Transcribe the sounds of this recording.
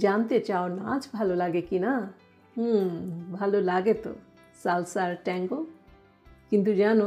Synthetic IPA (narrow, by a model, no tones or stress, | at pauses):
d͡ʒaːnt̪et͡ʃaːona̰t͡ʃbʱalolaːɡekina | bʱalolaːɡet̪o̰ | salsaɾʈɛ̃ŋɡo | kint̪̬ud͡ʒaːno